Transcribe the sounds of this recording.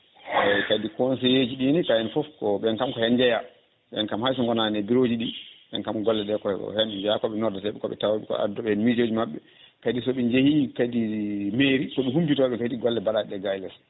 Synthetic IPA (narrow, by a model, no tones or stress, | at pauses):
ɛkadikɔns̬ɛjed͡ʒiɗinikajɛnfɔfkɔɓɛnkamkɔhɛnd͡ʒɛja | ɓɛnkamhajs̬ɔŋɡɔnanɛbiɾod͡ʒiɗiɓɛ̰nkamkɔɡɔlːɛɗɛkɔɛkɔ̰hɛnd͡ʒɛjakɔɓɛnɔɾdatɛɓɛkɔɓɛ̰tawaɛkɔ̰a̰dɔɓɛhɛnmid͡ʒoːd͡ʒimaɓːɛ | kadisɔɓɛɲd͡ʒehikadimeːɾikɔɓɛɦumbitɔɓɛkadiɡɔlːɛbaɗaɗɛɡajlɛs